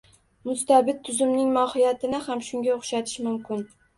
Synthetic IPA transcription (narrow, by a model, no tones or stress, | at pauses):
mʊst̪abɪt̪̚ʰːʊzʊmnɪŋmɒhɪjat̪ʰɪnɪhamʃʊŋɡʲaoχʃat̪ʰɪ̥ʃmʊmkʲɪn